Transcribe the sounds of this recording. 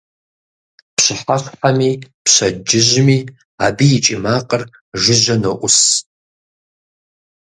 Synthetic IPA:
pɕɨħaχħamipɕad͡ʒɪʒʷmi | abiːt͡ʃʼimaqʼər | ʒɪʒʷɐnɐʔʷʊs

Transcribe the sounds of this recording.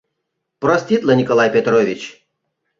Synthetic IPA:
pɾɔsʲt̪ʲit̪lʲˠənʲikolˠajpʲet̪ɾovʲit͡ɕ

